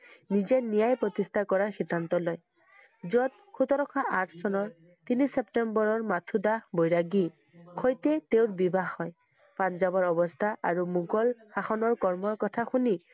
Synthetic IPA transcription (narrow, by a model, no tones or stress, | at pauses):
nizɛnijajpɹɔt̪istʰakɔɹaɹxid̪ʱːant̪ɔlɔj | zɔt̚ | kʰut̪ɔɾɔkʰaʔaɹtʰsɔnɔɹ | t̪inisepʈembɔɹɔɹmatʰudabojɹaɡi | xojtɛt̪eʊɹbibaxɔj | panzabɔɹɔbɔstʰaʔa̰ɹumuɡɔlxaxɔnɔɹkɔɹmɔɹkɔtʰaxuni